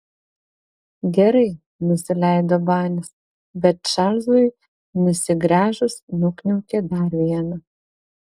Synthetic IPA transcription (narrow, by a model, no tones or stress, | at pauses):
ɡʲɛɾɐɪ | nʊsʲɪlʲɛˑɪd̪oːbɑːnʲɪs | bʲɛt̪ʃɑlʲzʊɪ | nʊsʲɪɡɾʲæːʒʊsnʊknʲɛʊkʲed̪ɐɾʋʲiɛnɐ